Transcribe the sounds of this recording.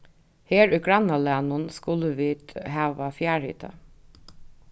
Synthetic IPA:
heːɹʉɡɹanalænʊnskʊləʋiːt̪hæːʋafjæːɹhɪ̰ːt̪ʰə̰

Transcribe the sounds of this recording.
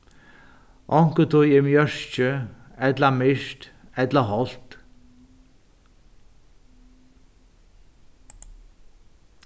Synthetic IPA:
ʔɔŋ̥kət̪ʰʊjɪmjœɹ̥t͡ʃə | ɛt̪lamɪʃt̪ | ɛt̪laɦɔlt̪

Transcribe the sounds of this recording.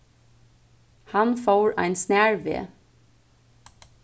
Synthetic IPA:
hɑnfoːɹæ̰ɪnsnæːɹʋḛː

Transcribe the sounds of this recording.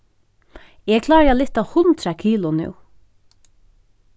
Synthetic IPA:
ɛkʰlɑːɾalɪht̪ahʊnt̪ɾakʰiːlʊnʉ̰w

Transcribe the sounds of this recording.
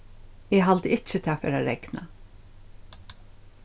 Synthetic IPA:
ɛɦald̪əɪt͡ʃːət̪ʰɪafɛ̰ːɾaɾɛɡna̰

